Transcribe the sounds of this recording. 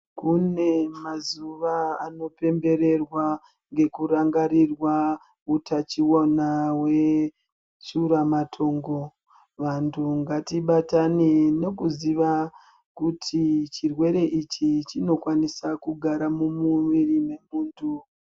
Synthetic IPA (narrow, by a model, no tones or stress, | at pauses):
kune̞mazuʋaːno̞pe̞mbe̞ɾe̞rwa | ŋɡe̞kuɾaŋɡaɾirwa | utat͡ʃiwonawe̞ | t͡ʃuɾamatʰo̞ːŋɡo̞ | ʋantʰuŋɡatiɓatanene̞kuziʋa | kutʰit͡ʃirwe̞ɾe̞ʔit͡ʃit͡ʃino̞kwanisakuɡʱaɾamumuʋirime̞muːntʰu